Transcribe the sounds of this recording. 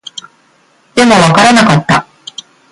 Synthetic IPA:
d̪̥e̞mo̞βakaɾanakat̪ːa

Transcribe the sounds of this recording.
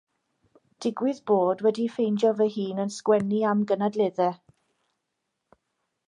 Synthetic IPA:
d̥ɪɡwɪðboːdwɛdifejnd͡ʒɔvəɦiːnənskwɛniamɡənadleðɛ

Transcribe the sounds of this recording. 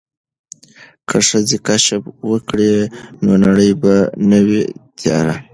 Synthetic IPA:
kʰəʂəzekaʃabwəkɽenonaɽəjbanəwet̪ʰjɑ̰ɾa

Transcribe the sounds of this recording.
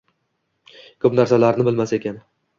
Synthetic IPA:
kʰɵpnaɾsalaɾnɪbɪlmase̞kʲan

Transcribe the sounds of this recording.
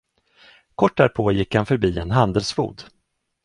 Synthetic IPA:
kʰɔʈ̚ːdæɾpʰoːjɪkːhanfœɾbiːɛnɦand̪əlsfṵːd̪

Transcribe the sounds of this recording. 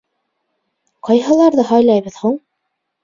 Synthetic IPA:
qɑjɦɤ̆lˠɑɾðɤɦɑjlˠɑjβɤ̆ðhuɴ

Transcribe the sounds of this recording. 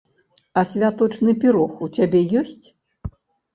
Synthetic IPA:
ɐsʲvʲat̪ɔt͡ʂnɨpʲiɾɔxut͡sʲabʲɛjɔsʲt͡sʲ

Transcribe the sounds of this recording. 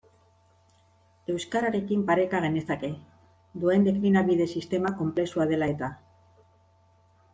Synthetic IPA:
e̞wskaɾaɾe̞kimpaɾe̞kaɣ̞e̞ne̞sake̞ | d̪ue̞nd̪e̞klinaβið̞e̞sist̪e̞mako̞mple̞suað̞e̞lae̞t̪a

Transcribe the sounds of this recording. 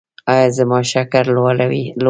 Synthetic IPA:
ɑjɑzəmɑʃakaɾlwalawil

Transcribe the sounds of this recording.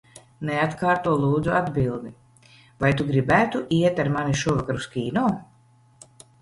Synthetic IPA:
neat̪kaːɾt̪uɔlˠuːd̪zuad̪bilˠd̪i | vajt̪uɡɾibæːt̪uʔiɛt̪aɾmaniʃuɔvakaɾuskʲiːnɔː

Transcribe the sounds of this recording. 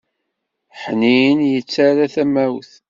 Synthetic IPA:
ħniənjət͡sːæɾaθæmæwθ

